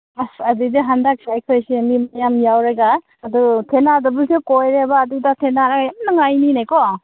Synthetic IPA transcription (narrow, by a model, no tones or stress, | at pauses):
asɐdidiɦandak̚sajkʰɯjsinimajamjawɾaɡa | ɐdutʰenadɐbɯsɯkojɾebaːdudat̪ʰenaɾaɡjamnaŋajninajkɔ